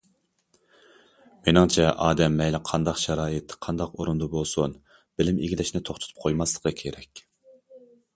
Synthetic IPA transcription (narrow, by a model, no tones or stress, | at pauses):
menɪŋt͡ʃʰɛʔɑːd̪ɛmːɛjlɪqʰɑnd̪ɑqʃɑɾɑːjɪt̪qʰɑnd̪ɑqoɾund̪ubolˠsun | b̥ɪlɪmiɡʲilɪʃnɪt̪ʰoχt̪ʊ̥t̪ʰu̥p̚qʰojmɑslˠə̥qəkʲʰeɾɛkʲ